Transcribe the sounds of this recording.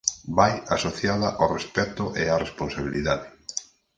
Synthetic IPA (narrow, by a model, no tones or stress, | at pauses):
bajasoθjaðɐʔarespɛt̪ʊʔearesponsaβ̞iliðaðɪ